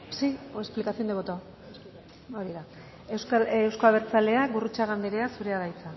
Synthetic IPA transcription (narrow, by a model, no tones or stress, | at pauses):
siesplikasio̞nd̪e̞βot̪o | oɾiða | sewskoaβeɾt͡sale̞aɣurut͡ʃaɣambeɾe̞asuɾe̞aðajt͡sa